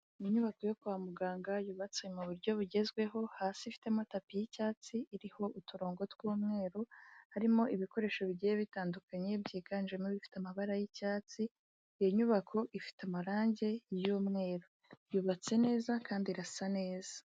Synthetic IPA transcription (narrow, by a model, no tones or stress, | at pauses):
ijiɲuβako̞jo̞kuwaːmuɡaːŋɡajuβat͡semuβuɾɟo̞βuɟe̞zɡwe̞ɦo̞haːsifi̥tematapijicaːt͡siʔiɾiho̞ʔutuɾo̞ːŋɡo̞twuːmŋe̞ːɾo̞haɾimo̞ʔiβiko̞ɾe̞ːʃo̞βiɟijeβitaːndukaɲe̞bɟiːkand͡ʒemiβifi̥tamaβaɾajicaːt͡si | joɲuβakʰo̞ʔifi̥tamaɾaːɲɟe̞juːmŋe̞ːɾo̞ | juβat͡se̞ne̞ːzakaːndiɾasane̞ːza